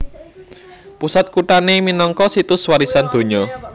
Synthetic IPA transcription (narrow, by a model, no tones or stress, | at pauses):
pusat̪̚kuʈaneminɔŋkɔsit̪ʊswaɾisand̪̥o̤ɲɔ